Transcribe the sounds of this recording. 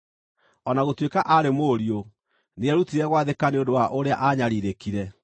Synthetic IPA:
ɔnaɣotwekaʔaɾemoɾio | neɛɾutiɾɛɣwaðekaneondowaʔoɾeaʔaɲaɾiɾekiɾɛ

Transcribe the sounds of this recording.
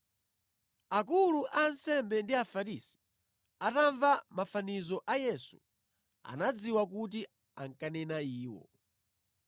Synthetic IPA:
akuluʔansɛmbɛndiafaɾisi̥ | ataɱvamafanizɔʔajɛsu | a̰nad͡ziwakut̬i | a̰ŋ̩kanɛnaiːwɔ̰

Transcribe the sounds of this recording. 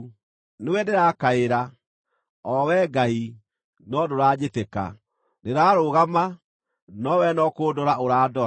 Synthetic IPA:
newɛdeɾaːkaeɾa | ɔwɛːɡai | nɔdoɾaːɲeteka̰ | neɾaːɾoɣama | nɔwɛnɔkoːdɔɾaoɾaːdɔ

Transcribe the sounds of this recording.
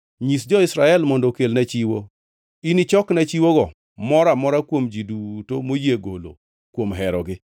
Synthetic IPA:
ɲisd͡ʒɔɪsɾaɛlmɔndɔkelnɛt͡ʃiwo | init͡ʃɔknat͡ʃiwoɡɔ | mɔɾamɔɾakwomd͡ʒidutomojeɡolo̰ | kwomɦɛɾɔɡɪ

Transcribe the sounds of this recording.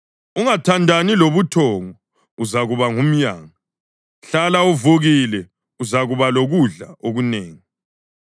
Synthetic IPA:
uŋatʰandʱaniloβutʰɔːŋɔ | uzaɣuβaŋum̩ɲaːŋa | ɬalauvoɣilɛ | uzaɣuβaloɣuɮa̰oɣuneːŋi

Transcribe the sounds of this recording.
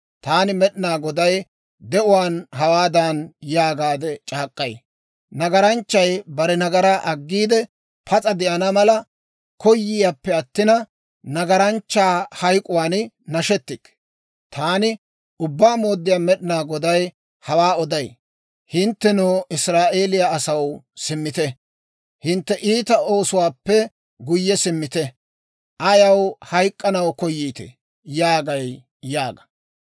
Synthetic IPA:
t̪aːnɪmɛɗɪnaːɡɔd̪ɐj | d̪ɛʔʊwaːnɦɐwaːd̪anjaːɡaːd̪ɛt͡ʃʼaːkʼːɐj | nɐɡɐɾɐnt͡ʃːɐjbɐɾɛnɐɡɐɾaʔɐɡːiːd̪ɛ | pʰɐt͡sʼɐd̪ɛʔɐnɐmɐlɐ | kɔjːɪjapːɛɐt̪ːɪnɐ | nɐɡɐɾɐnt͡ʃːaːhɐjkʼʊwaːn | nɐʃɛt̪ːɪkː | t̪ʰaːnɪ | ʊbːaːmo̞ːd̪ːɪjaːmɛɗɪnaːɡɔd̪ɐj | hɐwaːɔd̪ɐj | hɪnt̪ːɛnuːʔɪsɾaːʔe̞ːlɪjaːsɐwsɪmːɪt̪ɛ | hɪnt̪ːɛʔiːt̪ɐo̞ːsʊwaːpːɛ | ɡʊjːɛsɪmːɪt̪ɛ | ʔɐjɐwhɐjkʼːɐnɐwkɔjːiːt̪ɛ̰ | jaːɡɐj | jaːɡɐ̥

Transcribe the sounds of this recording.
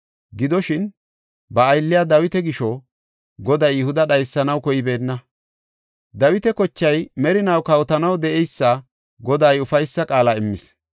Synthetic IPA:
ɡɪd̪ɔʃɪn | bɐːjlːɪjad̪ɐwɪt̪ɛɡɪʃɔ | ɡɔd̪ɐjjɪhʊd̪ɐɗɐjsːɐnɐwkɔjɪbe̞ːnːɐ | d̪ɐwɪt̪ɛkɔt͡ʃːɐjmɛɾɪnɐwkɐwt̪ɐnɐwd̪ɛʔɛjsːɐ | ɡɔd̪ɐjʊfɐjsːɐkʼaːlɐɪmːɪs

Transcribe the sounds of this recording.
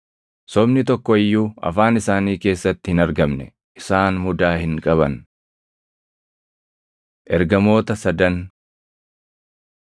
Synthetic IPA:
sɔbnɪt̪ɔkːɔɪjːuːɐ̰faːnɪsaːniːke̞ːsːɐt̪ːɪhɪnɐɾɡɐmnɛ̰ | ʔɪsaːnmʊd̪aːhɪŋkʼɐβɐn | ʔɛɾɡɐmo̞ːt̪ɐsɐd̪ɐn

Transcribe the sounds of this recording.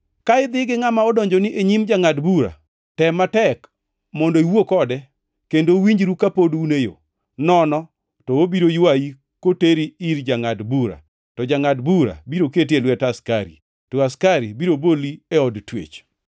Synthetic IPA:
kaɪd̪ɪɡɪŋamaɔdɔɲd͡ʒonɪʔeɲimd͡ʒaŋadbuɾa̰ | tɛmatɛk | mɔndoiwokɔdɛ | kendowiɲd͡ʒɾukapodunejo̰ | nɔnɔ | tɔobiɾojwaji | koteɾiiɾd͡ʒaŋadbuɾa̰ | tɔd͡ʒaŋadbuɾa̰biɾoketelwɛtaskaɾḭ | toaskaɾibiɾobolieɔdtwḛt͡ʃ

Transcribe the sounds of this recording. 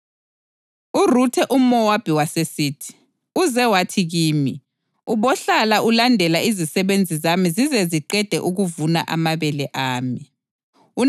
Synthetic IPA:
urutʰɛʔumɔwab̥ʱiwasesiːtʰi̥ | uzɛwatʰiɣiːmi | uβɔɬalaulandʱɛlaizisɛβend͡zʱizamizizɛziǃɛd̥ʱɛ̰ʔuɣuvuna̰ʔa̰maβɛlɛʔaːmi | u

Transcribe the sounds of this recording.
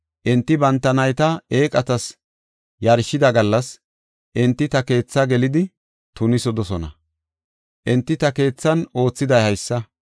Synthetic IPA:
ʔɪnt̪ːɪbɐnt̪ːɐnɐjt̪ɐeːkʼɐt̪ɐs | jɐɾʃɪd̪ɐɡɐlːɐs | ʔɪnt̪ːɪt̪ɐke̞ːt͡sːɐɡɛlɪd̪ɪ | t̪ʊnɪsɔd̪ɔsɔnɐ̰ | ʔɪnt̪ːɪt̪ɐke̞ːt͡sːɐno̞ːt͡sːɪd̪ɐjhɐjsːɐ

